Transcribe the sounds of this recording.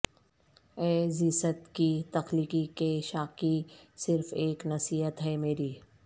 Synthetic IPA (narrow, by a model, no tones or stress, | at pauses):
ɛːziːsət̪kit̪ɐxliːkikeʃaːqisɪɾfeːknɐsiːɦət̪ɦɛmeːɾiː